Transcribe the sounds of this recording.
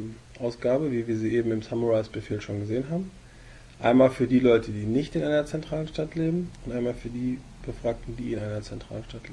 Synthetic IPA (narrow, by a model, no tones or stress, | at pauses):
ʔaʊsɡ̥aːbəviːviːɐziːʔeːbm̩ɪmsamuʁaɪsb̥əfeːlʃoːnɡəzeːənɦaːbm̩ | ʔaɪnmaːlfyːɐdiːlɔʏtʰədiːnɪçtɪnʔaɪnɐt͡sɛntʁ̥aːlənʃtatleːbm̩ʊntʔaɪnmaːlfyːɐdiː | b̥əfʁ̥aːk̚tn̩d̥iːɪnʔaɪnɐt͡sɛntʁ̥a̰ːlən̩ʃtatleː